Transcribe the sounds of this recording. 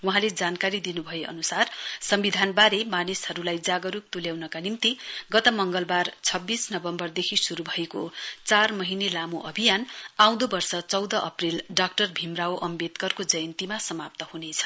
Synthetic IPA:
wuɦãled͡zankaɾid̪inubʱʌjeʌ̰nusarsʌmbid̪ʱanbaɾemanishʌɾulajd͡zaɡʌɾuk̚t̪uljawnʌkanimt̪iɡʌt̪ʌmʌŋɡʌlbart͡sʰʌbːisnʌbʌmbʌrd̪ekʰisuɾubʱʌekot͡sarmʌɦinelamuʔʌbʱijanaw̃d̪obʌrsʌt͡sʌwd̪ʌʔʌprilɖak̚ʈʌrbʱimrawʔʌmbet̪kʌrkod͡zʌjʌnt̪imasʌmap̚t̪ʌhunet͡sʰʌ̥

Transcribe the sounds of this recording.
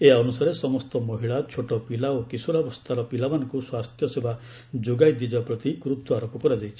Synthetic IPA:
eaɔnusaɾesɔmɔst̪ɔmɔɦiɭat͡ʃʰoʈɔpilaokisuɾabɔst̪ʰaɾɔpilamanɔ̃ŋkuswast̪jɔseba | d͡ʒoɡajd̪id͡ʒapɾɔt̪ikɾut̪uaɾopɔkɔɾad͡ʒajt͡ʃʰi̥

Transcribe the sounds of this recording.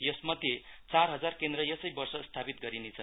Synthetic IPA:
jʌsmʌd̪ʱjet͡sarɦʌd͡zarkend̪ɾʌjʌsʌjbʌrsʌst̪ʰapit̪̚ɡʌɾinet͡sʰʌ

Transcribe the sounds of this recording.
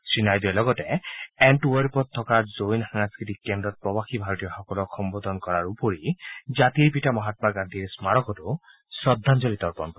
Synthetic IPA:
sɹinajd̪ialɔɡɔteɛnʈuweɾpɔt̪ʰːɔkaɾzojnhaŋskit̪ikːend̪ɾɔt̪̚pɹɔbaxibʱaɾɔt̪ijɔxɔkɔlɔkʰxʰɔmbod̪ʱɔnkɔɾaɾupoɾid͡ʒat̪iɾpitamɔɦat̪̚maɡãnd̪ʱiɾsmaɾɔkɔtu | sɾɔd̪ʱːand͡ʒɔlit̪ɔɾpɔnkɔ

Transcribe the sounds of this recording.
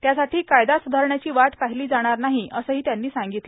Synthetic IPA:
t̪jasaʈiːkajd̪asud̪ʱaɾɳjat͡ɕiːʋaʈ̪paɦiliːd͡zaɽ̃aɾnaɦiʔəsəːɦiːt̪janːiːsaŋɡit̪l

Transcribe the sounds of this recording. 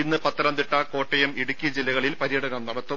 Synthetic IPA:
inːɨpɐt̪ːɐɾɐmd̪iʈːɐko̞ːʈːɐjɐmiɽukʲːid͡ʑilːɐɣɐɭilpɐɾijɐɽɐnɐmnɐɽɐt̪ːu

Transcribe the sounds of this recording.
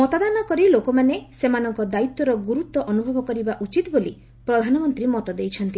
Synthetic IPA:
mɔt̪ad̪anɔkɔɾilokɔmanesemanɔŋkɔd̪ait̪ːɔɾɔɡuɾut̪ːɔʔɔnubʱɔbɔkɔɾibaʔut͡ʃit̪ɔboli | pɾɔd̪ʱanɔmɔnt̪ɾimɔt̪ɔd̪ejt͡ʃʰɔnt̪i

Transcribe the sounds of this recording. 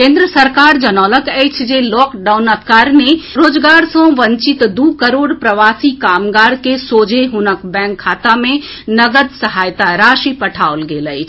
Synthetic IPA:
kẽːnd̪ɾəsəɾkaːɾd͡ʒənɔːləkɛjt͡ʃʰd͡ʒelɔːkɖaʊnəpkaːɾneɾoːd͡ʒɡaːɾsɔ̃ʋə̃ɲt͡ʃɪt̪d̪uːkəɾoːɽpɾəʋaːsikaːmɡaːɾkesoːd͡ʒʱeɦunəkbɛ̃ːŋkʰːaːt̪amẽ | nəɡəd̪səɦaːjt̪aɾaːʃipəʈʰaolɡeːləit͡ʃʰ

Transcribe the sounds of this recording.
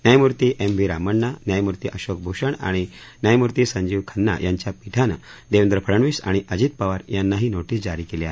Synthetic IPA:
njajmuɾt̪iʔembʱiɾaməɳːanjajmuɾt̪iʔəɕok̚bʱuɕəɳa̰ɽ̃injajmuɾt̪iːsəɲd͡ʑiːʋkʰənːa̰jʔaɲt͡ɕjapiʈʰanə̰d̪eʋənd̪ɾəpʰəɽəɳʋiːsa̰ɽ̃iʔəd͡ʑiːt̪̚paʋaɾjanːaɦiːnoʈiːsd͡ʑaɾiːkeleaɦe

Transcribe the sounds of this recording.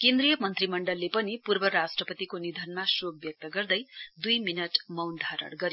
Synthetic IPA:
kend̪ɾijʌmʌnt̪rimʌɳɖʌlːepʌnipurbʌɾasʈrʌpʌt̪ikonid̪ʱʌnmasob̚bjʌk̚t̪ʌɡʌrd̪ʌjd̪ujminʌʈmʌwnd̪ʱaɾʌ̰ɽɡʌɾj

